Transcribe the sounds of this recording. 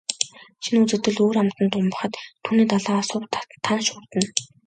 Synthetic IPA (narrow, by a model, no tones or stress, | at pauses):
ʃinut͡sɘ̆t̪ɘ̆ɮoːɾamt̪ə̆nt̪ʊmpə̆χə̆t̪t̪ʰːuːniːt̪aɮaːɔsʊːp̪t̪ʰːanʃʊːrt̪ə̆n